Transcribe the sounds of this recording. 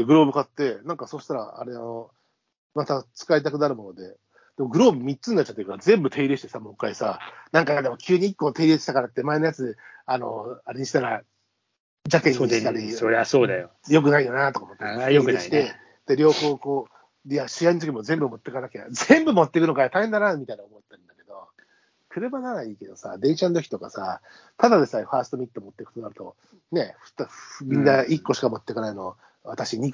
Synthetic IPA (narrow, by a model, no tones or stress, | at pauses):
d̪eɡɯ̟ɾo̞ːbɯ̟kat̪ːe̞nãŋkaso̞ːɕi̥t̪aɾa̰a̰ɾeano̞ | mat̪at͡sɨ̥kait̪akɯ̟naɾɯ̟mo̞no̞d̪e̞ | d̪̥e̞mo̞ɡɯ̟ɾo̞ːbɯ̟mʲitt͡sɨnːat͡ɕːat̪ːe̟kaazẽ̞mbɯ̟t̪ʰe̞iɾe̞ɕi̥t̪e̞samo̞kːaisa̰nãŋkad̪e̞mo̞kʲɨːɲ̟iikːo̞ːt̪e̞iɾe̞i̥t̪akaɾat̪ːe̞mae̞no̞jat͡sɨano̞̰aɾeɲ̟iɕi̥t̪aɾa | d͡ʑakẽɲiiit̪aɾʲioasoːd̪ajo | jo̞k̬ɯ̟naijonat̪o̞komot̪ːeeoikeɕi̥t̪e̞ | d̪̥eɾʲo̞ːho̞ːko̞ː | aɕijainit̪okʲimo̞zẽ̞mbɯ̟mo̞t̪ːe̞kanakea̰zẽmbɯmo̞t̪ːe̞kɯ̟nokajat̪ahend̪anamʲit̪ainaomo̞t̪ːeɯ̃nd̪ake̞d̪o̞ | kʰɯ̟ɾɯ̟banaɾaiːke̞d̪o̞sa̰d̪ẽ̞ɰ̃ɕant̪o̞kʲi̥t̪o̞ka̰sa̰ | t̪ad̪ad̪e̞saɸaːsɨ̥t̪o̞mʲit̪ːomo̞t̪ːe̞kɯ̟̥t̪onaɾɯ̟t̪o̞̰ | ne̞ɸt̪mʲĩnːaikːo̞ɕi̥kamo̞t̪ːe̞kanaino̞ | βat̪aɕiɲ̟i